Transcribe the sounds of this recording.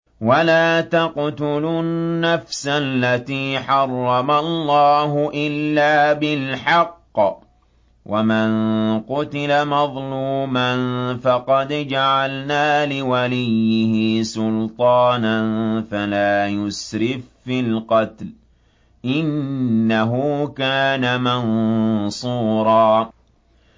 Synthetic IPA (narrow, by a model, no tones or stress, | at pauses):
walaːt̪ɑqt̪ʊlʊːafsalːat̪iːħɑrˤːɑmalˤːɑːɦʊʔɪlːaːbɪlħɑqː | wʔamanqʊt̪ɪlamɑðˤluːmanfɑqɑd̪d͡ʒaʕalnaːlɪwalɪjːɪhɪsʊlt̪ˤɑːnanfalaːjʊsɾɪffɪlqɑt̪l | ʔɪnːaɦʊːkaːnamansˤuːɾˤɑː